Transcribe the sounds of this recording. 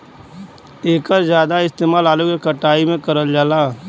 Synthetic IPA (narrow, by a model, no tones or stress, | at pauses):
eːkəɾzjaːd̪aɪst̪eːmaːlaːlukekɐʈaːimẽkɐɾəld͡ʒaːlaː